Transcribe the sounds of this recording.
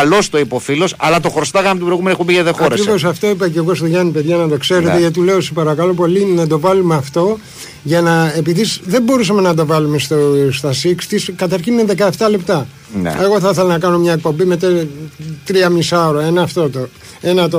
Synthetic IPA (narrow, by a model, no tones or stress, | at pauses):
lo̞st̪oipo̞filo̞sɐ̰lɐt̪o̞xɾost̪ɐɣɐmit̪ubɾoiɣumeniexumbiʝeðexoɐɾekɾivosɐft̪o̞ipeceɣo̞st̪oʝɐnipe̞ðʝɐnɐt̪o̞kse̞ɾe̞t̪eʝɐt̪ile̞osepɐɾɐkɐlo̞po̞linɐt̪o̞vɐlumeɐft̪o̞ | ʝɐnɐepiðisðe̞mbo̞ɾus̬ɐme̞nɐt̪o̞vɐlume̞st̪ost̪ɐsiksi̥t̪iskɐt̪ɐɾçinːeðe̞kɐeft̪ɐle̞pt̪ɐ | n̰eɣo̞θɐθelɐnɐkɐno̞mɲɐek̚po̞mbimet̪ɐ | t̪ɾiɐmisɐoɾoenɐːft̪o̞t̪o | e̞nɐt̪o